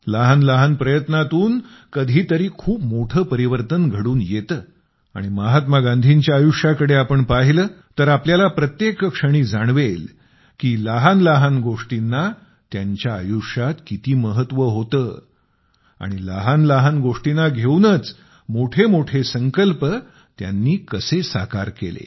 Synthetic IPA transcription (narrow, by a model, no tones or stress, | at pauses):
laɦanləɦanpɾəjət̪nat̪uːn | kəd̪ʱiːt̪əɾiːkʰuːpmoʈʰəːpəɾiʋəɾt̪ənɡʱəɽuːnjet̪əː | a̰ɽ̃iməɦat̪maɡand̪ʱiɲt͡ɕjaːjuʂjakəɽeapəɳpaɦiləːt̪əɾapljalapɾət̪jekkʂəɽ̃iːd͡zaɽ̃ʋel | kiːlaɦanlaɦanɡoʂʈinːa | t̪jaɲt͡ɕjaːjuʂat̪kit̪iːməɦət̪ʋəɦot̪əː | a̰ɽ̃ilaɦanlaɦanɡoʂʈinaɡʱewnət͡s | moʈʰemoʈʰesəŋkəlpə | t̪ja̰nːiːkəsesaka̰ɾkḛlḛ